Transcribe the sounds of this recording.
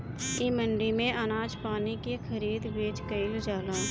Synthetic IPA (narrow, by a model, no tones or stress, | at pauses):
imə̃ɳɖimẽʔənaːd͡ʒpaːnikexʰəɾiːd̪beːd͡ʒkəɪld͡ʒaːlaː